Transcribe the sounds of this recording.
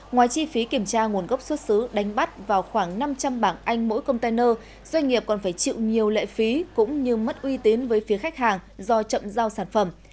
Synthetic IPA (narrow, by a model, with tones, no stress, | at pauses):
ŋwaː˨˦jt͡ɕi˧fi˨˦ki˧˩əmt͡ɕaː˧ŋu˨˩ənɣə˦˥p̚swə˦˥t̚sɨ˨˦ɗa˨˦jŋ̟ɓa˦˥t̚vaː˨˩wxwaː˧˩ŋna˧mt͡ɕa˧mɓaː˧˩ŋʔa˧jŋ̟mo̰˧˥jkə˧wŋ͡mt̪aː˧jnəː˧ | z̥wa˧jŋ̟ŋi˨˩əp̚kɔ˨˩nfaː˧˩jt͡ɕḭ˧˨wɲi˨˩əwlḛː˧˨fi˨˦kʊ̰˧˥ŋ͡mɲɨ˧mə˦˥t̚ʔwi˧t̪i˨˦nvəː˨˦jfi˨˦əxa˦˥k̟̚ɦaː˨˩ŋzɔ˧t͡ɕə̰˧˨mzaː˧wsaː˧˩nfə˧˩m